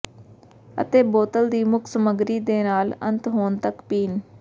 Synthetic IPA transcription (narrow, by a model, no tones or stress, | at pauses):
ə̰t̪eːboːt̪əld̪iːmʊkʰsəməɡɾiːd̪eːnaːlə̰̃nt̪ɦoːnt̪əkpiːn